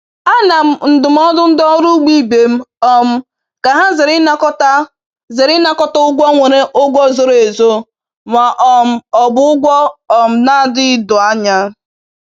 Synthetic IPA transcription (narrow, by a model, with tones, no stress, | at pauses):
a˦na˨m̩˨n̩˨dʊ˨m̩˦ɔ˦dʊ˦n̩˦dɔ˦ɾu˦ɡ͡bi˦˨be˨m̩˦ɔ˨m̩˦ | ka˨ɦa˦zɪ˨ɾɪ˦na˦kɔ˦ta˦ | ze˨ɾɪ˦na˦kɔ˦tɔ˦ʊ˦ɡʷɔ˦ŋʷe˨ɾe˦ʔo˦ɡʷɔ˦˨zo˨ɾe˨zo˦ | ma˨ʔɔ˨m̩˦ɔ˨bʊ˦ʊ˦ɡʷɔ˦ɔ˨m̩˨na˦dɪ˦ɪ˦dʊ˨a˦ɲa˦